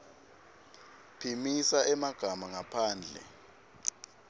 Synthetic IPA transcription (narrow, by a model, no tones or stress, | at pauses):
pʰimisaʔɛmaɡ̥ʱamaŋapʰaːnd͡ɮʱɛ̰